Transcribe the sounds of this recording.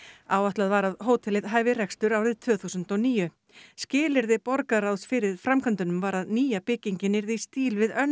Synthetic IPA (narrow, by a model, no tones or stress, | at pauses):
aːwaht̪laðvaɾaðɦoːwt̪ʰɪlɪðɦaːjvɪr̥ɛkst̪ʏɾawɾɪðt̪ʰv̥œːθusʏnt̪ɔniːjʏ | scɪːlɪɾðɪpɔɾkaɾawsfɪɾɪð̥fɾamkʰant̪ʏnʏmvaɾaðniːjapɪciɲcɪnɪɾðist̪iːlvɪðœn